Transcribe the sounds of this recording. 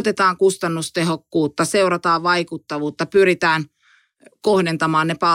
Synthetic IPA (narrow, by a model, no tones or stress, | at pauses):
t̪et̪ɑːŋkust̪ɑnːust̪ehokːuːt̪ːɑseurɑt̪ɑːʋʋɑikut̪ːɑʋuːt̪ːɑpyɾit̪æːn | kohdent̪ɑmɑːnnepɑ